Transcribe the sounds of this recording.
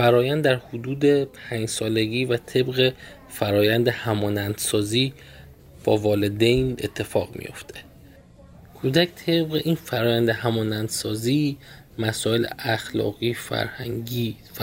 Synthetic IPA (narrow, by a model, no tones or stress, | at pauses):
fæɾɒːjænd̪dːæɾhod̪uːd̪e̞pʰæɲd͡ʒsɒːle̞ɟiːvæt̪ʰe̞bɣe̞ | fæɾɒːjænd̪ehæmɒːnænd̪̥sɒːziː | b̥ɒːvɒːle̞d̪ejnḛt̪ʰːe̞fɒːɣmḭjo̞̰ft̪ʰe̥ | kʰuːd̪æcʰt̪ʰe̞bɣeʔiːnfæɾɒːjænd̪ehæmɒːnænd̪̥sɒːziː | mæsɒːe̞leæxlɒ̰ːɣiːfæ̰ɾhæ̰ŋɟiː